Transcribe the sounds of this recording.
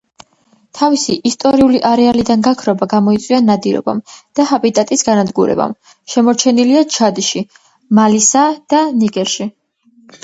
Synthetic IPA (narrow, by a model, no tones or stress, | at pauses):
t̪ʰavisiʔist̪ʼɔɾiuliʔaɾɛalid̪anɡakʰɾɔbaɡamɔit̪sʼwianad̪iɾɔ̰ba̰md̪̥aɦabit̪ʼat̪ʼisɡanad̪ɡuɾɛ̰ba̰m | ʃɛmɔɾt͡ʃʰɛniliat͡ʃʰad̪iʃi | malisad̪̥aniɡʼɛɾʃi